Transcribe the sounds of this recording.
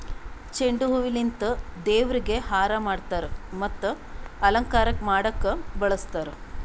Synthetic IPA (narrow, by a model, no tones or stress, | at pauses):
t͡ʃeɳɖuɦuʋilint̪ud̪eːʋɾiɡehaːɾamaːɖt̪aːɾemɐt̪ːu | ɐlɐŋkaːɾɐkmaːɽɐkːɐbɐɭɐst̪aːɾe